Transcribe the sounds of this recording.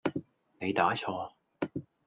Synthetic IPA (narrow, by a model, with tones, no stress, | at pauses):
ne˨˧jt̪aː˨˥t͡sʰɔː˧